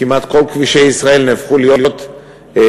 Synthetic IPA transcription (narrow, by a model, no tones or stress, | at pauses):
kimat̪ko̞lkviʃe̞jisʁae̞lnefχulijo̞ljot̪